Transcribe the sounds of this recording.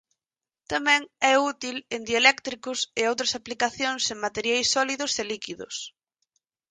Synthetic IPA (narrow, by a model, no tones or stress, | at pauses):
t̪amɛ̃ŋɛut̪ilend̪jalɛkt̪ɾikʊseowt̪ɾɐsaplikaθjõŋseŋmat̪eɾjajsːɔliðʊselikiðʊ̰s